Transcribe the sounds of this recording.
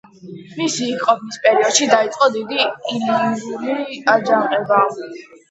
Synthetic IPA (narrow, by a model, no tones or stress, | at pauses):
misiːkʼqʼɔpʰnispʼɛɾiɔd̪ʃid̪ait̪sʼqʼɔd̪id̪iilinuɾiad͡ʒaqʼɛba